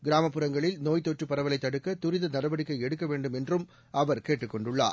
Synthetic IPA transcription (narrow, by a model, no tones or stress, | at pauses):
ɡɪɾaːmɐpːɯɾɐŋɡɐɭɪlnoːjt̪ːɔʈrɯpːɐɾɐʋɐlɐɪt̪ːɐɽɯkːɐt̪ʊɾɪðɐnɐɾɐʋɐɽɪkːɐɪɛɽɯkːɐʋeːɳɖɯmɛndrɯm | ɐʋɐɾkeːʈːɯkːɔɳɖɯɭːa̰ː